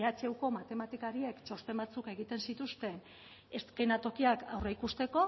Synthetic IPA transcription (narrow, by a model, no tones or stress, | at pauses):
at͡ʃewko̞mat̪e̞mat̪ikaɾie̞kt͡ʃo̞st̪e̞mbat͡suke̞ɣit̪e̞nsit̪ust̪e̞n | e̞skenat̪o̞kiakawreikust̪e̞ko̞